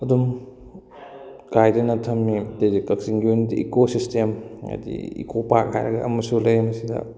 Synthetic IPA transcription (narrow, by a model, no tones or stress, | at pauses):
ɐdum | kʰajdɐnɐtʰɐmːided͡ʒit̚kɐksiŋɡiunitḭʔikosistemɐ̰dḭḭkʰopak̚ha̰jɾɐɡɐ̰ɐ̰mɐsulɐjɐmɐsidɐ̰